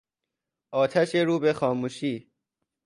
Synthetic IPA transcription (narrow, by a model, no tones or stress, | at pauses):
ʔɒːt̪ʰæʃeɾuːbexɒːmuːʃiː